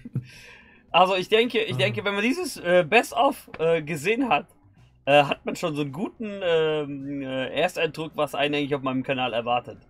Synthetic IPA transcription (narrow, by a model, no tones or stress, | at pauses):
ʔalzoɪçd̥ɛŋkəɪçd̥ɛŋkəvɛnmandiːzəsʔɛːbɛstʔɔfʔɛːɡəzeːənɦat | ʔɛːɦatmanʃoːnzoːnɡuːtn̩ʔɛːɛːʔeːɐstadʁʊkv̥asʔa̰ɪnən̩ʔaɪŋlçaʊfmaɪnəmkʰanaːlɛɐvaɐtət